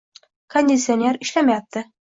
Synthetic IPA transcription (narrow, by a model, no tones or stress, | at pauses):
konʲdʲɪt̪sɪonʲe̞ɾiʃlæmæjap̚t̪ːɘ